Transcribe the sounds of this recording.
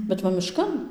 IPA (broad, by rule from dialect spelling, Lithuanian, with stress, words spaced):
bʲɛt ˈʋɐ ˈmʲɪʃkɐn